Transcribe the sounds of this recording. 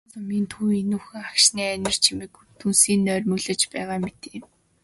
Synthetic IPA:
t͡səmint̪ʰuinux̆ŋakʃniːænʲɪ̆r̥t͡ɕʰimĭkt̪ʰunsiːnːœːrʲmɵɮɘ̆t͡ɕpæːʁaːmet̪e̥ː

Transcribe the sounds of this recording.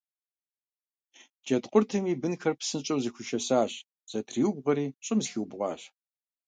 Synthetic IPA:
d͡ʒɐtqʷʼʊrtʰɨmiːbɨnxɐrpsɨnt͡ʃʼɐwzɨxʷʊʃɐsaːɕ | z̥ɐtʰriːwbʁɐɾiːɕʼɪmzxiwbʁʷɑ̰ːɕ

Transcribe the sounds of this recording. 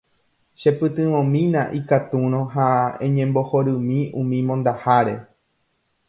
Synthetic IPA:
ʃepɨt̪ɨ̃ʋõmĩnãʔikat̪uɾ̃õɦaẽɲẽ̞mbo̞hoɾɨmĩũmĩmõnd̪ahaɾe̞

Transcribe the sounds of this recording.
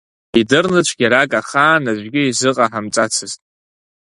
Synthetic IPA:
idɨrnɨt͡ʃʷʰɡʲaɾakʼaχaːnaʒʷɡʲɪizɨqʼaħamt͡sʼat͡sʰɨztʼ

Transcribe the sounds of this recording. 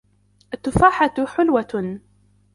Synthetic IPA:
ʔat̪ːʊfaːħat̪ħʊlwa

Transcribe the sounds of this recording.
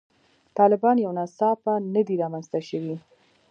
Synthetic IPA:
t̪ɑlɪbɑnjawnasɑpanəd̪iɾɑmanzt̪aʃəwi

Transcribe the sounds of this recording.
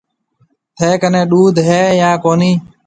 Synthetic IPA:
t̪ʰeːkənẽːɗuːd̪ʱɦeːjãːkoːniː

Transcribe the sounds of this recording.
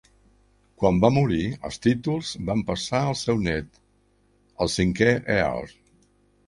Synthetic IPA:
kwambamuɾiə̰lˠst̪it̪ulˠzbampəsaəlˠsɛwnɛt̪ | əlˠsiŋkɛʔea̰l

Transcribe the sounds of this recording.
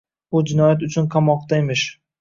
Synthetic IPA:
ʊd͡ʒɪnɒjat̪̬ʊt͡ʃʰʊnqʰamɒqt̪aemɪʃ

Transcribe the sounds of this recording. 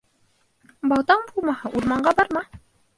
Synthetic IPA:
bɑw̪ˠd̪ɑɴbulˠmɑhɤʔuɾmɑɴɢɑbɑɾmɑ

